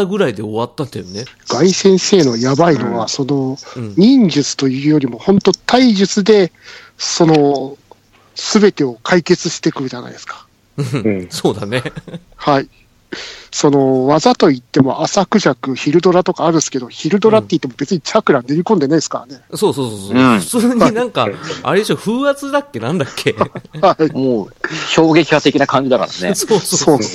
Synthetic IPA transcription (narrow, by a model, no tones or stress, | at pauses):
aɡɯ̟ɾaid̪e̞oβat̪ːanejoneɡ̥aisẽ̞ɰ̃se̞ːno̞jabaino̞βaso̞no̞ɲ̟ĩɲ̟d͡ʑɨt͡sɨ̥t̪o̞jɯ̟ːjo̞ɾʲimo̞hõ̞nt̪o̞t̪ʰaiʑɨt͡sɨd̪e̞ | so̞no̞ | sɨbe̞t̪e̞o̞kʰaike̞t͡sɨɕi̥t̪e̞kɯ̟ʑana̰ḭd̪e̞sɨ̥kḁ̃ | soːd̪ane | hai | so̞no̞βazat̪o̞it̪ːe̞mo̞ʔasakɯ̟ʑakɯ̟çiɾɯ̟d̪o̞ɾat̪o̞kaːɾɯ̟sɨ̥ke̞d̪o̞çiɾɯ̟d̪o̞ɾat̪ːe̞it̪ːemobe̞t͡sɨɲ̟it͡ɕakɯ̟ɾãnːe̞ɾʲikõ̞nd̪e̞naid̪sɨ̥ka̰ɾa̰ne̞soːsoːsoːsoɯ̃ɯ̥t͡sɨːɲ̟inãŋkaa̰ɾed̪eɕoɸɯ̟ːat͡sɨd̪akːe̞nãnd̪akːehaimoːço̞ːɡe̞kʲi̥kat̪e̞kʲinakãɲ̟d͡ʑid̪aka̰ɾa̰nḛosoː